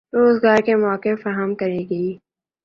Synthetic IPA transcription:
ɾoːzɡaːɾkemɔːkɪfɐɦəmkɐɾeɡɐiː

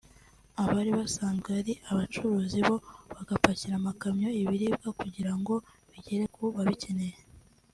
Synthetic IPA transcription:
aβaɾiβasaːnzɡeaɾiʔaβat͡ʃuɾuːziβo̞βaɡapaciɾamakamɲo̞iβiɾiːb̚ɡakuɟiɾaŋɡo̞ | βiɟeɾe̞kʰuβaβice̞ne̞je

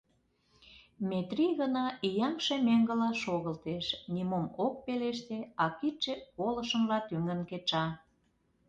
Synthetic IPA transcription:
met̪riɣənɑʔijɑŋʃemeŋɡə̆lɑʃoɣəlt̪eʃnʲimomok̚peleʃt̪eɑkit͡ʃːekolə̆ʃə̆mlɑt̪yŋənket͡ʃɑ

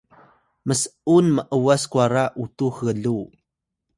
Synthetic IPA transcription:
məsəunməʔəwaskwaɾaʔutuxəɮu

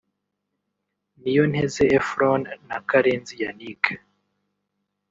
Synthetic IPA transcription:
nijon̥hezeːfɾonːakaɾeːnzijanike

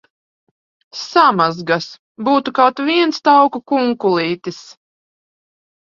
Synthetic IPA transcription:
samazɡas | buːt̪ukawt̪viɛnst̪awkukuŋkulˠiːt̪is

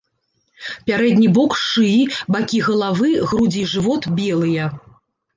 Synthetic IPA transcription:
pʲaɾɛd̪ʲnʲibɔkʂɨbakʲiɣɐlˠavɨɣɾud͡zʲiʐɨvɔt̪bʲɛlˠɨjɐ

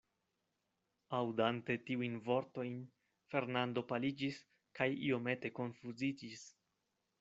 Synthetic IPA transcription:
awdante̞tiujnvo̞ɾto̞jn | fe̞ɾnando̞palid͡ʒis | kajḭo̞me̞te̞ko̞nfuzid͡ʒis

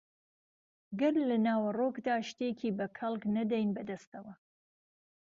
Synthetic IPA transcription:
ɡɨɾlɐnaːwɐrokd̪aːʃt̪ekʰiːbɐkʰɐlˠknɐd̪ɛjnbɐd̪ɐst̪ɐwɐ

